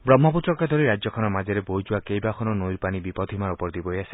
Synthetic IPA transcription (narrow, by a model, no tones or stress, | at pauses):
bɾɔmːɔput̪ɾɔkad̪ʱɔɾiɾad͡ʒjɔkʰɔnɔmad͡ʒeɾebojd͡ʒuwakejbakʰɔnɔnojɾpanibipɔd̪ʰʱimaɾupɔɾd̪ibɔɦjasi̥